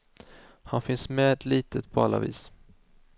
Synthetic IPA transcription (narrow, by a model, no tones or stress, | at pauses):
hanfɪnsmeːd̪liːt̪əpʰɔa̰lːa̰vḭːs